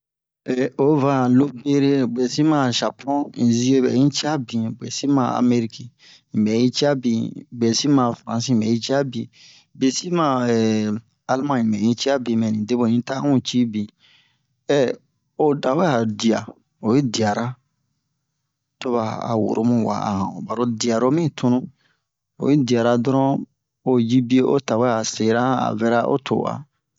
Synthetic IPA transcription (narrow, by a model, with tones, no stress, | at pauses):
ɛ˨o˨va˨lo˦be˦ɾe˦be˨si˦mã˨ʃa˨pʰɔ̃˦ĩ˨zi˦e˦bɛ̰˨˦ĩ˦t͡ʃi˦a˦bĩ˨be˨si˦mã̰˨a̰˨me˦ɾi˦ki˨ | ĩ˨bɛ˨ji˦t͡ʃi˦a˦bĩ˨be˨si˦mã˨fɾã˨s̬ĩ˦˨bɛ˨i˦t͡ʃi˦a˦bĩ˨ | be˨si˦mã˨ɛ˨ | a˦lmã˦ĩ˨mɛ˨ĩ˦t͡ʃi˦a˦bĩ˨mɛ˨nĩ˨de˦bo˨nĩ˦ta˦ũ˦t͡ʃi˦bĩ˨ | ɛ˦˨ | o˨da˨wɛ˦a˨di˨a̰˨ | o˨je˦di˨a˨ɾa˦ | to˦βa˨a̰˨wṵ˨ɾʔo˦mũ˦wa̰˨a̰˨hã̰˨ba˨ɾo˦di˨a˨ɾo˦mĩ˦tʰũ˦nũ˦ | o̰˨ji˦di˨a˨ɾa˨dɔ˦ɾɔ̃˦ | o˨ji˦bi˦e˦ʔo˦ta˨we˦a˨se˨ɾa˦a̰˨vɛ˦ɾa˦ʔo̰˦tʰo̰˨wa̰˨